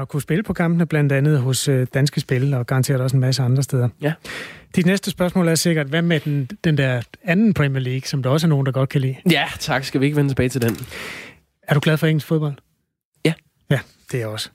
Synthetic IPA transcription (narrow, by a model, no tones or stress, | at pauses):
ɒ̽kʰusb̥e̝ləpʰɒ̽kʰɑ̈mb̥nəb̥læn̰d̥ænð̞̩ˠɦɔ̽sød̥ænsɡ̥əsb̥e̝ləɒɡ̥ɑ̈nt͡sʰe̝̰ɐɾ̥ɑɒ̽senmæsəɑ̈nd̥ʁɐstd̥eð̞ˠɐ | d̥id̥nesd̥əsb̥ɶɐsmɔ̰̽ːlæɐse̝ɡ̥ɐd̥ʋæmed̥end̥end̥eɐænn̩pʰʁɛmiɐliːɡ̥sɒ̽md̥ɑ̈ɒ̽s̬əæɐno̝ːn̩d̥ɑ̈ɡ̥ɒ̽d̥̚kʰælḭːjæt͡sʰɑ̈ɡ̥sɡ̥æʋie̝ɡ̥əʋent͡sʰeb̥ɛːɪt͡sʰeld̥en | æɐɾ̥uɡ̥lɛð̞ˠfɒ̽eŋ̰l̩sfo̝ðb̥ɒ̽ld̥ | jæ | d̥e̝æɒ̽sə̥